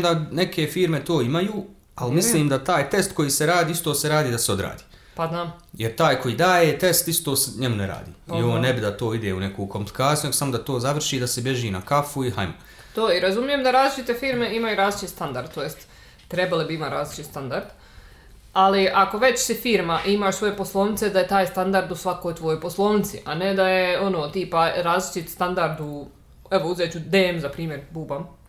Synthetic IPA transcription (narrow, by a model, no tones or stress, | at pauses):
d̪ane̞kʰe̞fiːɾme̞t̪o̞ːimajuː | almislliːmd̪at̪aːjt̪e̞st̪ko̞jiːseɾaːd̪iːist̪o̞ːse̞ɾaːd̪iːd̪aseo̞d̪ɾa̰ːd̪i̥ː | paznamjeɾt̪aːjkʰo̞jiːd̪aːjeːt̪e̞st̪ist̪oːseɲemuneɾa̰ːd̪ḭːioːnebid̪at̪o̞ːid̪eːune̞kuːko̞mpli̥kaːt̪ijuneɡosamod̪at̪o̞ːzaʋr̩ʃiːd̪asebje̞ʒiːnakafuiɦajma | t̪oːiɾazumije̞ːmd̪aɾaːzlit͡ʃit̪efiːɾme̞imajuɾaːzlit͡ʃ̪ist̪and̪aɾd̪̚t̪ojest̪ː | ɾebalibiimaɾaːzlit͡ʃist̪and̪aɾd̪ | aliʔako̞ʋe̞t͡ɕsifiːɾmaʔimaʃsʋo̞je̞poslˠo̞ːʋnɪt̪se̞d̪ajet̪aːjst̪and̪aɾd̪usʋakoːjt̪ʋojojposlˠoːʋnɪt̪sḭʔane̞d̪ajeo̞noːt̪iːpaɾaːzlit͡ʃit̪st̪and̪aɾd̪u | eʋo̞uzeːt͡ɕud̪eːmzapɾiːmʲje̞ɾbuːbam